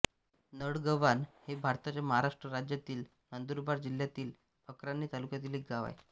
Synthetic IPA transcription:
nəɽɡəʋanhebʱaɾt̪at͡ɕaməɦaɾaʂʈɾəɾad͡ʑjat̪iːl | nənd̪uɾbaɾd͡ʑil̤jat̪iːl | pəkɾanːiːt̪alukjat̪iːliɡaʋa̰j

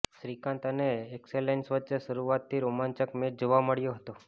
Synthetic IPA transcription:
ʃɾikãnt̪əneːkselensʋətːt͡ʃeʃəɾuʋat̪ːiɾomant͡ʃəkmeʈd͡ʒoʋaməɭjoɦət̪o

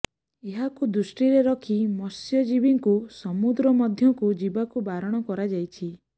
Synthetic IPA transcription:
eɦakud̪ɾusʈiɾeɾɔkʰimɔsjɔd͡ʒibiŋkusɔmud̪ɾɔmɔd̪ʱjɔŋkud͡ʒibakubaɾɔɽ̃ɔkɔɾad͡ʒajt͡ʃʰi

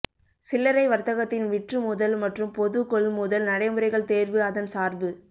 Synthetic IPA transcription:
sɪlːɐɾɐɪʋɐɾt̪ɐɣɐt̪ːɪnʋɪʈrɯmʊðɐlmɐʈrɯmpɔðɯkɔɭmʊðɐlnɐɽɐɪmɯɾɐɪɣɐɭt̪eːɾʋɯɐðɐnsaːɾbɯ

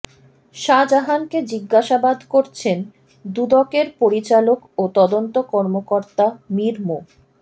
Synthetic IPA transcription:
ʃad͡ʑaɦanked͡ʑiɡːaʃabad̪koɾt͡ɕʰen | d̪ud̪ɔkeɾpoɾit͡ɕalokot̪ɔd̪ont̪okɔɾmokoɾt̪amiɾmo

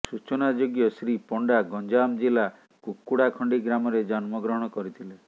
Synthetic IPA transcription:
sut͡ʃɔnad͡ʒoɡjɔsɾipɔɳɖaɡɔnd͡ʒamd͡ʒila | kukːuɽakʰɔɳɖiɡɾamɔɾed͡ʒɔnmɔɡɾɔɦɔɽ̃ɔkɔɾit̪ʰile

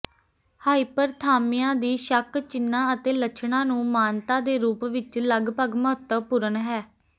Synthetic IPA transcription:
haːipəɾt̪ʰaːmijãːd̪iːʃəkt͡ʃɪnːãːət̪eːlət͡ʃʰɳãːnũːmaːnt̪ãːd̪eːɾuːpʋɪt͡ʃləɡpəɡməɦət̪ːəʋpʊɾənɦɛː

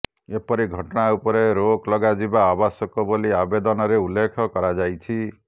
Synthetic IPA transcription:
epɔɾiɡʱɔʈɔɽ̃aupɔɾeɾoklɔɡad͡ʒibaːbasɔkɔboliabed̪ɔnɔɾeulːekʰɔkɔɾad͡ʒajt͡ʃʰi

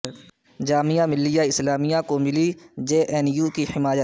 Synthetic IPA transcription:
d͡ʒaːmijamɪlːijaɪslaːmijãkomɪlid͡ʒeːʔɛːnjuːkihɪmaːjə

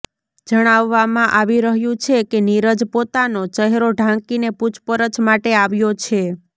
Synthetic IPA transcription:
d͡ʒəɽ̃aʋːamãʔaʋiɾəɦjũt͡ʃʰekeniɾəd͡ʒpot̪anot͡ʃəɦɛɾoɖʱãŋkineput͡ʃʰpəɾət͡ʃmaʈeaʋjot͡ʃʰe

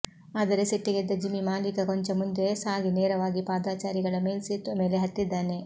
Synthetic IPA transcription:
aːd̪ɐɾeseʈːiɡed̪ːɐd͡ʒimːimaːlikɐkoɲt͡ʃɐmund̪e̞saːɡineːɾɐʋaːɡipaːd̪aːt͡ʃaːɾiɡɐɭɐme̞ːlsiːt̪ːʋɐme̞ːleɦɐt̪ːid̪ːaːne̞

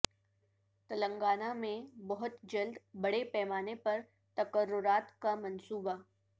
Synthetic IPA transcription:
t̪ɐlə̃ŋɡaːnamẽbɐɦʊt̪d͡ʒɐld̪bɐɽepɛːmaːnepɐɾ | t̪ɐkəɾːʊɾaːt̪kamɐ̃nsuːba

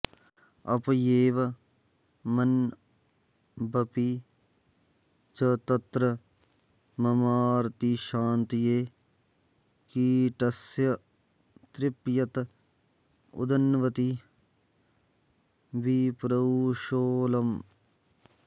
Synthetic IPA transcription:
ɐpjeːʋɐ | mɐn | bɐpi | t͡ʃɐt̪ɐt̪ɾɐ | mɐmaːɾt̪iʃaːnt̪ijeː | kiʈɐsjɐ | t̪ɾɪpjɐt̪ | ʊ̰d̪ɐnʋɐt̪i | ʋipɾɐʋuʃoːlɐm

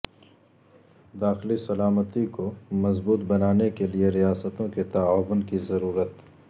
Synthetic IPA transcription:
d̪aːxɪlisɐlaːmət̪ikomɐzbuːt̪bɐnaːnekelieɾijaːsət̪õket̪ɐaːwʊnkizɐɾuːɾət̪

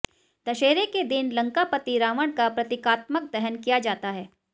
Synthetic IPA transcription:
d̪̥ɐʃeːɾeked̪ɪnlɐ̃ŋkapət̪iɾaːʋəɽ̃kapɾɐt̪ɪkaːt̪mək̚d̪ɛɦənkijad͡ʒaːt̪aɦɛː

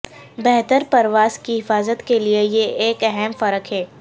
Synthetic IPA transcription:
bɛɦt̪əɾpɐɾʋaːzkiɦɪfaːzət̪keliejeʔeːkɛɦɛmfɐɾəkɦɛː

